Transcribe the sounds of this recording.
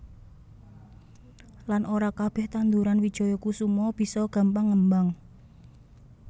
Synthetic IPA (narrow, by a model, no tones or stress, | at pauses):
lanʔoɾakab̥ɛ̤ht̪and̪uɾanwid̥ʒ̥ɔ̤jɔkusumɔb̥i̤sɔɡ̥a̤mpaŋːəmbaŋ